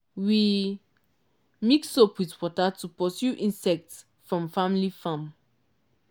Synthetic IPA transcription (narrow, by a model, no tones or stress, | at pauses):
wi | miksopwiθwɔtatupɔsjuʔĩnsɛk̚ts | fɹɔ̃mfamilifãm